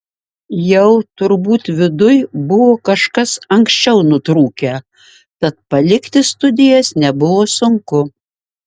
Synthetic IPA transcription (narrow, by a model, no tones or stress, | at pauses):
jɛʊt̪ʊɾbuːt̪ʋʲɪd̪ʊjbʊʋoːkɐʃkɐsɐŋksʲt͡ʃʲɛʊnʊt̪ɾuːkʲɛ | t̪ɐt̪̚pɐlʲɪkt̪ʲɪst̪ʊd̪ʲɪjɛsnʲɛbʊʋoːsʊŋkʊ